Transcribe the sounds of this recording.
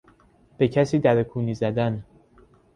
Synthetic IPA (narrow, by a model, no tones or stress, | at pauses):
b̥e̞cʰæsiːd̪æɾekʰuːniːzæd̪æn